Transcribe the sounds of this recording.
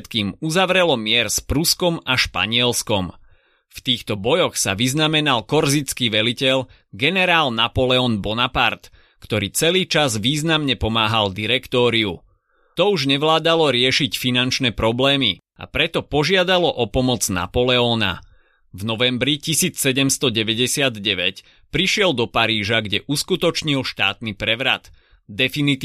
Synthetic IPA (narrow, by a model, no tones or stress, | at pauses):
t̪kiːmuzaʋɾɛlɔmɪɛɾspɾuskɔmaʃpa̰ɲɪɛlskɔm | ft̪iːxt̪ɔbɔjɔxsa̰ʋiznamɛnalkɔɾzit͡skiːʋɛlicɛʎ | ɡɛnɛɾaːlnapɔlɛɔːnbɔnapaɾt̪ | kt̪ɔɾiːt͡sɛliːt͡ʃazʋiːznamɲɛpɔmaːɦald̪iɾɛkt̪ɔːɾiṵ | t̪ɔuʒɲɛʋlaːd̪alɔɾɪɛʃicfinant͡ʃnɛpɾɔblɛːmḭ | a̰pɾɛt̪ɔpɔʒɪad̪alɔʔɔpɔmɔd͡zna̰pɔlɛɔːna̰ | vnɔʋɛmbɾicisiːt͡ssɛɟɛmst̪ɔɟɛʋɛɟɛsɪad̪ɟɛʋɛc | pɾiʃɪɛld̪ɔpaɾiːʒaɡɟɛʔuskut̪ɔt͡ʃɲilʃt̪a̰ːt̪nipɾɛʋɾa̰t̪ | d̪ɛfinit̪ː